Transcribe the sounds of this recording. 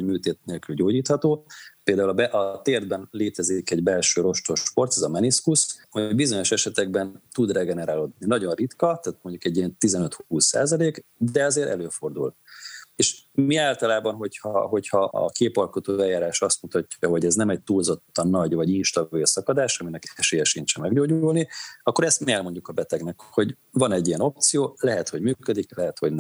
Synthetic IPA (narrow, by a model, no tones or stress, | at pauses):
omyːt̪eːt̪̚neːlkylɟoːɟiːt̪hɒt̪oːpeːld̪aːulbɛʔɒt̪eːrd̪bɛnleːt̪ɛzikɛɟbɛlʃøːɾo̞ʃt̪o̞ʃpo̞rt̪ɛzɒmɛniskushoɟbizo̞ɲo̞ʃɛʃɛt̪ɛɡ̚bɛnt̪ud̪rɛɡɛnɛɾaːloːd̪ninɒɟo̞nrit̪kɒt̪aːt̪moɲɟukɛɟːiɛnt̪izɛnøt̪huːsːa̰ːzɒleːkd̪ɛɒzeːɾʔɛ̰løːfo̞rd̪ṵlt̪eːʃmiaːlt̪ɒlaːbɒnɦo̞chɒɦo̞chɒʔɒ̰keːpɒlko̞t̪oɛjːaːɾaːʃɒst̪mut̪ɒcːɒɦo̞ɟɛznɛmɛc̚t̪uːlzo̞t̪ːɒnːɒɟvɒɟinʃt̪ɒbilsɒkɒd̪aːʃɒminɛkɛʃeːjɛʃint͡ʃɛmɛɡɟoːɟuulniɒkːo̞ɾɛst̪miɛlmoɲɟukɒbɛt̪ɛɡnɛkho̞ɟ | vɒnɛɟːiɛno̞p̚t̪sijoːlɛɦɛt̪ho̞ɟmyːkød̪iklɛɦɛt̪ho̞̰ɟnɛ